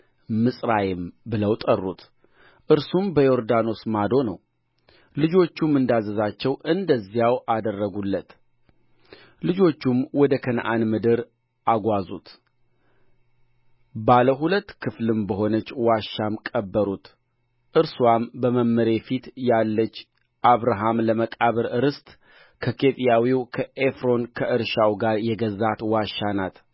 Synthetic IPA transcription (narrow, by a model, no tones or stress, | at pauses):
mɨsʼɾajɪmbɨləwt̪ʼərːut̪ʰ | ʔɨɾsumbəjo̞ɾd̪ano̞smad̪o̞nə̰w | lɨd͡ʒo̞t͡ʃːumɨnd̪azəzat͡ʃːɛwɨnd̪əzːijawʔad̪ərːəɡulːət̪ | lɨd͡ʒo̞t͡ʃːumwɔd̪əkʰənʔa̰nmɨd̪ɨɾ | ʔaɡʷazṵt̪ | baləɦulət̪ːkʰɨflɨmbəɦo̞nət͡ʃːwaʃːamkʼəbːəɾut̪ | ʔɨɾswambəməmːəɾe̞fit̪jalːət͡ʃː | ʔaβɾaɦamləməkʼaβəɾɨɾɨst̪ʼ | kʰəkʰet̪ʼjawiwkʰəʔefɾo̞nkʰəʔɨɾʃawɡaɾjɛɡəzat̪waʃanat̪